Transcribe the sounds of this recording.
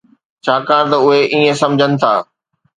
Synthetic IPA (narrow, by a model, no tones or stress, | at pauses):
t͡ɕʰaːkaːɾ̃t̪ɐʊɦeʔiːẽsɐ̃md͡ʑʱənɪ̆t̪ʰa̰ː